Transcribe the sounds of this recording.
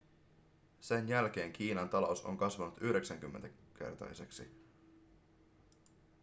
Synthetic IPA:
se̞njælk̟e̞ːŋk̟ʰiːnɑnt̪ɑlouso̞̰ŋkɑsʋɑnut̪yhɾe̞ksæŋk̟ymːent̪æk̟e̞̰rt̪ɑ̰jse̞ksi

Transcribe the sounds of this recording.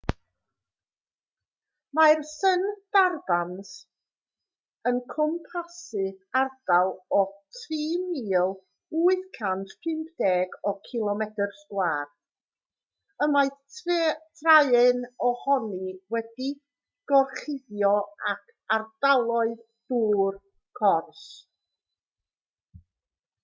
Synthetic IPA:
majrsənd̥arbans | ənkʰɔmpʰasɨvard̥alˠɔtʰriːmiːlˠ | uːɨðkʰantʰpʰrɪmpʰd̥ɛːɡɔkʰɪlˠɔmɛtərskwaːr | əmajʰ | tʰraɨɨnɔhɔniwɛdi | ɡ̥ɔrχɪðjɔakʰardalˠɔɨð | d̥uːr | kʰɔrs

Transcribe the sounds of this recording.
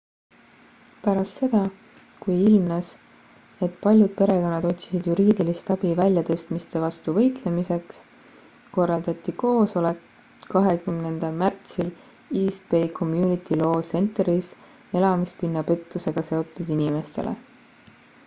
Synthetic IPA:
pæɾɑst̪se̞d̪̥ɑ | kujilmnɑs | e̞t̪pɑlʲjud̪̥̚pe̞ɾe̞ko̞nːɑd̪o̞t̪ʲsi̥sid̪̥juɾiːd̪̥ilist̪ɑb̥ivælʲjɑt̪ɤ̞st̪mist̪e̞vɑst̪uvɤ̞jt̪le̞mise̞ks | ko̞rːɑld̪̥ɑt̪ːˑiko̞ːso̞le̞k | kɑɦe̞kymnend̪̥ɑlmært̪sil | iːspe̞kʰo̞mjuːnit̪ilo̞ːse̞nt̪ɾis | e̞lɑmispinːɑpe̞t̪ˑːuse̞ɡ̥ɑse̞o̞t̪ːˑud̪̥inime̞st̪e̞̰lʔḛ

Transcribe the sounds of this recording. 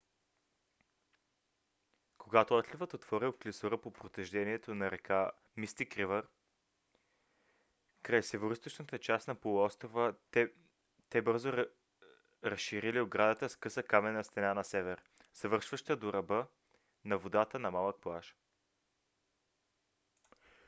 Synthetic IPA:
koɡat̪oɔt̪lʲivət̪ot̪v̥ɔɾiok̪lisoɾəpopɾot̪ɛʒd̪ɛniɛt̪onɐɾɛkʰa | mist̪ikɾivəɾ | kɾajsɛvoɾist̪it͡ʃnət̪ət͡ʃasnɐpolˠuɔst̪ɾovə | t̪ɛbɤɾzo | ɾɐsʃiɾilioɡɾad̪ət̪əskɤsəkamɛnɐst̪ɛnanɐsɛvɛɾ | z̥ɐvɤɾʃvəʃt̪əd̪oɾɐbɤ | nɐvod̪at̪ənɐmalˠək̚plˠaʃ

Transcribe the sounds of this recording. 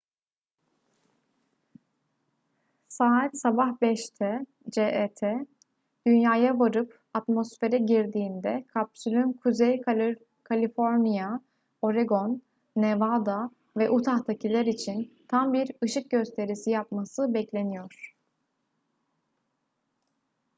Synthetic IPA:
saːat̪sabahbɛʃt̪ʰɛ | d͡ʒeʔet̪ʰɛ | d̪̥ynjaːjavaɾɯp | at̪mo̞sfe̞ɾɛɟiɾd̪iːnd̪ɛkʰapsylʲynkʰuzej | kʰalʲifo̞ɾnija | o̞ɾeɡo̞nː | evad̪a | vɛʔut̪ʰaxt̪ʰacʰilʲæɾit͡ʃʰint̪ʰambiɾɯʃɯk̚ɟø̞st̪ʰe̞ɾisijapmasɯbɛclʲe̞nijo̞ɾ̥

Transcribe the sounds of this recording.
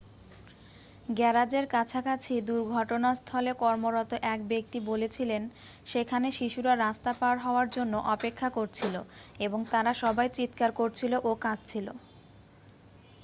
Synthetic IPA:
ɡɛɾad͡ʑeɾkat͡ɕʰakat͡ɕʰid̪uɾɡʱɔʈonast̪ʰɔlekɔɾmoɾɔt̪oʔɛk̚bek̚t̪ibolet͡ɕʰilen | ʃekʰaneʃiʃuɾaɾast̪apaɾɦɔoaɾd͡ʑonːoʔɔpekʰːakoɾt͡ɕʰiloeboŋt̪aɾaʃɔbajt͡ɕit̪kaɾkoɾt͡ɕʰiloʔokad͡ʑt͡ɕʰilo

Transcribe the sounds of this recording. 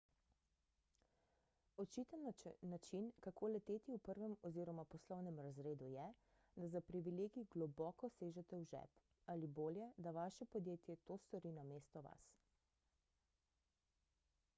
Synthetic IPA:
ɔt͡ʃit̪ənnat͡ʃinkakʰoːlɛt̪eːt̪iupəɾʋɛmɔziɾɔmapɔslɔwnɛmɾazɾeːd̪ujɛ | d̪azapɾiʋileːɡiɡlɔbɔːkɔseːʒɛt̪ɛwʒɛ̰p | aliboːljɛd̪aʋaʃɛpɔd̪jeːt̪jɛt̪oːst̪ɔɾiːnameːst̪ɔʋa̰s

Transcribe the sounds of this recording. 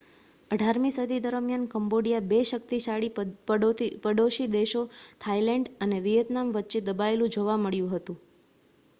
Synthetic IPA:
əɖʱaɾmisəd̪ʱid̪əɾəmjankəmboɽijabeʃək̚t̪iʃaɽi | pəɖoʃid̪eʃot̪ʰailɛɳɖəneʋijət̪namʋətːʃed̪əbaelũd͡ʒoʋaməɭjũɦət̪ũ

